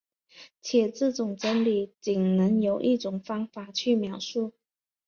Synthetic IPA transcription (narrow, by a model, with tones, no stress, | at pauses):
t͡ɕʰjɛ˨˩t͡sɹ̩˥˩ʈ͡ʂʊ˨˩ŋʈ͡ʂə˥nli˨˩˦t͡ɕi˨˩ŋnɤ˧˥ŋjo˨˩ʊʔi˥˩ʈ͡ʂʊ˨˩ŋfɑ˥ŋfa˨˩t͡ɕʰy˥˩mjɑ˧˥ʊʂu˥˩